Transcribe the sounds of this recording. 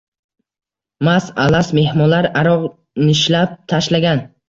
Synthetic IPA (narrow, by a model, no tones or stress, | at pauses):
masa̰lasme̞hmɒlaɾaɾɒʁ | nɪʃlap̚t̪ʰaʃlaɡʲan